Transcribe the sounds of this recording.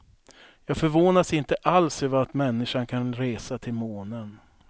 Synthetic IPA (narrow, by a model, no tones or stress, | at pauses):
jɑːɡfœɾvoːnasɪnt̪əʔalsøːvəat̪mɛnːɪʂaɳkʰanɾeːsat̪ʰɪlmoːnən